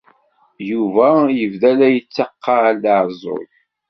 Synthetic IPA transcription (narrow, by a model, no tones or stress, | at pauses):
juvæjəvðælæjət͡sːɑqːɑʕlːəʕzˤo̰l